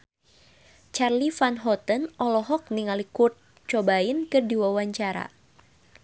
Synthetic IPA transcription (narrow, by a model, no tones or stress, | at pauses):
t͡ʃarlifanɦɔt̪ənɔlɔɦɔk̚niŋalikurt̪̚ | t͡ʃɔbainkɨrdiwawaɲt͡ʃaɾa̰